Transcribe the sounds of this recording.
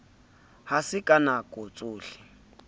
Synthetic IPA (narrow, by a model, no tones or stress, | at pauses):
hasɪkʼanakʼʊt͡sʼuːɬɪ̥